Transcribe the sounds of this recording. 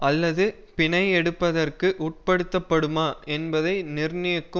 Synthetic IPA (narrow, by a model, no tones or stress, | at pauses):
ɐlːɐðɯ | pɪɳɐɪɛɽɯpːɐðɐrkɯʔʊʈ̚pɐɽɯt̪ːɐpːɐɽɯmaːɛnbɐðɐɪnɪrnɪjɐkːɯ